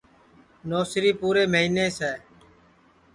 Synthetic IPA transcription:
noːsɾiːpuːɾeːməɦiːneːsɛː

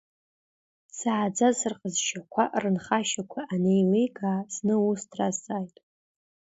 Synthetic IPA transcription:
saːd͡zazɨrqʼəzʃakʷʰaʔrɨnχaʃakʷʰaːnejlejɡʼaːznɨustʰrasʼajtʼ

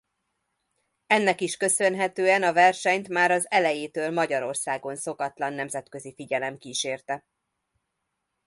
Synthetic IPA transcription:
ɛnːɛkiʃkø̞sø̞nɦɛt̪øːɛnɒvɛrʃɛɲt̪maːɾɒzɛlɛjeːt̪øːlmɒɟɒɾo̞rsaːɡo̞nso̞kɒt̪lɒnːɛmzɛt̪kø̞zifiɟɛlɛmkiːʃeːrt̪ɛ

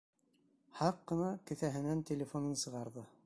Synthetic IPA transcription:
hɑqːɤ̆nɑkɘ̆θæɦɘ̆nænt̪ʲelʲɪfonɤnsɤ̆ʁɑɾðɤ

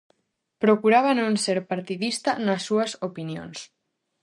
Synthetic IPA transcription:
pɾokuɾaβanõnseɾpaɾt̪iðist̪anasːuɐsopinjo̰ns

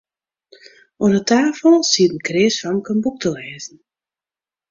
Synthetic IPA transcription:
ʔoənətʰaːfəlˠsiətən̩krɪːsfamkənbuk̚tʰəlɛːzn̩

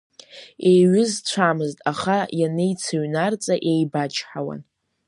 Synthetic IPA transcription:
e̞jɥʏzt͡ɕʷʰamɨztʼaχajanejt͡sʰaɥnart͡sʼaʔejbat͡ʃʰħawa̰n

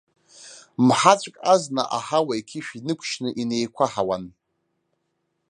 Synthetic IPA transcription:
mħat͡ɕʷʼkʼaznaʔaħawaikʲʰɪʃᶣinɨkʷʰʃnɨʔinejkʷʰaħawan

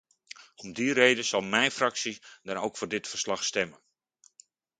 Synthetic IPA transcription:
ɔmdirejdəsɑlˠmɛjfrɑksidanowkfʊːɹdɪtfərslɑxstɛmən

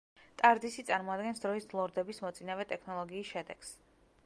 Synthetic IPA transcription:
t̪ʼaɾd̪isit̪sʼaɾmɔad̪ɡɛnsd̪ɾɔislˠɔɾd̪ɛbismɔt̪sʼinavɛt̪ʼɛkʰnɔlˠɔɡiːsʃɛd̪ɛɡs

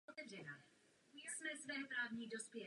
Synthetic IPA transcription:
ot̪ɛvrɛna | smɛsvɛːpɾaːvɲiːdospjɛ

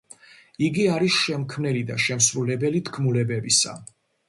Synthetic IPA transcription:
iɡiaɾisʃɛmkʰmnɛlid̪aʃɛmsɾulɛbɛlit̪ʰkʰmulɛbɛbisa̰

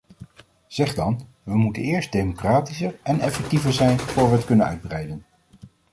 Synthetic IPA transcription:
z̥ɛχdɑn | ʋəmutə̰nɪːɹsd̚dejmokraːtisəɹɛnɛfɛk̚tivəɹzɛjnvʊːɹʋəətkɵnənœ̰ɥd̚brɛjdən

